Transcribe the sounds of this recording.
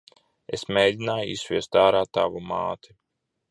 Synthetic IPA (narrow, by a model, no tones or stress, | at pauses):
esmʲeːjd̪ʲinaːjuisvʲiɛst̪aːɾaːt̪avuma̰ːt̪ʰi